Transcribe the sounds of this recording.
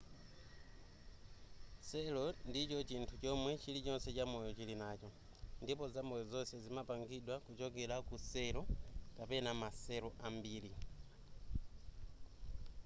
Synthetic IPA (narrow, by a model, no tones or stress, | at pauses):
sɛlɔndit͡ʃɔt͡ʃintʰut͡ʃɔmwɛt͡ʃilit͡ʃɔnsɛt͡ʃamɔjɔt͡ʃilinaːt͡ʃɔ | ndipɔzambɔjɔzɔsɛzimapaŋɡiɗwakut͡ʃɔkɛɾakusɛɾɔkapɛnamasɛɾɔʔambiːli